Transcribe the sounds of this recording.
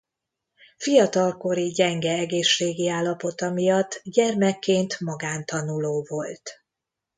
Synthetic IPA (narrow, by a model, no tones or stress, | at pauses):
fijɒt̪ɒlko̞ɾiɟɛŋɡɛɛɡeːʃːeːɡiaːlːɒpo̞t̪ɒmijɒt̪ːɟɛrmɛkːeːnt̪mɒɡaːnt̪ɒnuloːvo̞lt̪